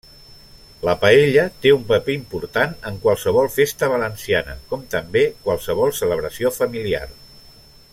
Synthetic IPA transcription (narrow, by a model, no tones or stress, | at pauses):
ləpəeʎət̪eumpəpeimpuɾt̪anəŋkwalˠsəβ̞ɔlˠfest̪əβələnsianə̰kɔmt̪əmbekwalˠsəβ̞ɔlˠsələβ̞ɾəsiofəmilia̰r